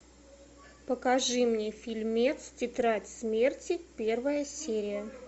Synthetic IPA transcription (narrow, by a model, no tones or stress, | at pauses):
pəkɐʐɨmnʲefʲɪlʲmʲet̪stʲɪt̪ɾatʲsmʲe̞rtʲɪpʲervəjəsʲeɾʲɪjə